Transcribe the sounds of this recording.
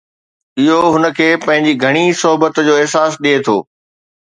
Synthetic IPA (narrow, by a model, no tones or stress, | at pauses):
ɪɦoɦʊnə̆kʰeːpɐ̃ɦɪ̃ɲd͡ʑiɡʱɐɽ̃isɔɦbət̪d͡ʑoːɪɦsaːsɗiet̪ʰo̰ː